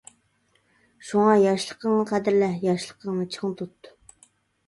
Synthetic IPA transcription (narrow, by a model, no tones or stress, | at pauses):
ʃuŋɑjɑʃlˠəqəŋnɨqʰæd̪ɪɾlɛjɑʃlˠəqəŋnɨt͡ʃʰəŋt̪ʰut̪ːu̥